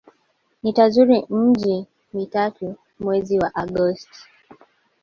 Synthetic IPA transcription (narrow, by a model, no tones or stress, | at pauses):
nitazuɾim̩d͡ʒi | mitatu | mwɛziwaʔaɡɔsti̥